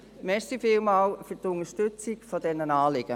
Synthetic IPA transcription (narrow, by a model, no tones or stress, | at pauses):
mɛstifɪːlmaːlfytʊŋəʃtʏt͡sikfɔdɛnənaːlɪɡ̥ə